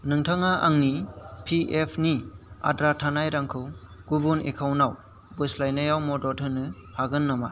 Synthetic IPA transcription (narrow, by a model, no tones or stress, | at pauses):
nɯŋtʰaŋaʔaŋnipʰiepʰnia̰dɾatʰanajɾaŋkʰɯwɡ̥ubunekʰawnaw | bɯslajnajawmɔdɔtʰɯnɯhaɡɯnːama